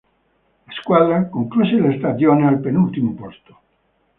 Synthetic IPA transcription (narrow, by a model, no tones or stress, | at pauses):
laskwad̪ɾakoŋkluselest̪ad̪joːnealpenult̪imopost̪o̥